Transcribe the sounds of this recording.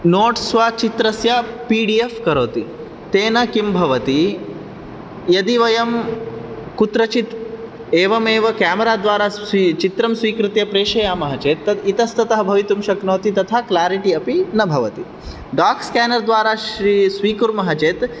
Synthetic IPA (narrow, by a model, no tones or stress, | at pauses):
noːʈsʋat͡ʃit̪ɾɐsjɐpiːɖiefkɐɾoːt̪i | t̪eːnɐkimbʱɐʋɐt̪i | jɐd̪iʋɐjɐm | kut̪ɾɐt͡ʃit̪ | eːʋɐmeːʋɐkaːmɐɾaːd̪ʋaːɾaːit͡ʃit̪ɾɐmsʋiːkɾɪt̪jɐpɾeːʃɐjaːmɐɦɐt͡ʃeːt̪ːɐd̪it̪ɐst̪ɐt̪ɐɦɐbʱɐʋit̪umʃɐknoːt̪it̪ɐt̪ʰaklaːɾiʈiɐpinɐbʱɐʋɐt̪i | ɖaːkskæːnɐɾd̪ʋaːɾaːʃɾisʋiːkuɾmɐɦɐt͡ʃeːt̪